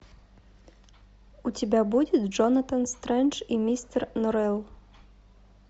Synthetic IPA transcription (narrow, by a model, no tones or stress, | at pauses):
ut͡sʲɪbʲabud͡zʲɪt̪ʲʐɔnɐt̪ɐnst̪ɾɛnt͡ʂimʲist̪ɛrnɔɾɛlˠ